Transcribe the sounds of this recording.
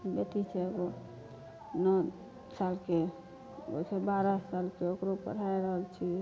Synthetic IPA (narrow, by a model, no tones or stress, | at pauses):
bet̪it͡ʃʰɛɡo | nə | salke | o̰isebaɾasalkeokɾopə̰ɽ̤aeɾəɦəlt͡ʃʰi